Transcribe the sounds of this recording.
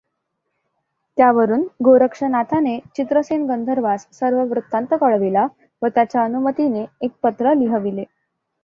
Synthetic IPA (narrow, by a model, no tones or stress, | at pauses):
t̪jaʋəɾuːnɡoɾəkʂənat̪ʰanet͡ɕit̪ɾəsenɡənd̪ʱəɾʋassəɾʋəʋɾut̪ːãnt̪əkəɭʋila | ʋət̪jat͡ɕjaənumət̪ineːk̚pət̪ɾəliɦəʋile